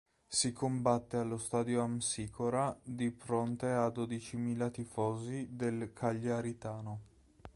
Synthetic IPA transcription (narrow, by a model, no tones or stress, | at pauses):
sikʰombat̪ːealːost̪aːd̪joamsiːkʰoɾad̪ifɾont̪ead̪od̪it͡ʃimiːlat̪ifɔːzid̪elkʰaʎːeaɾit̪aːno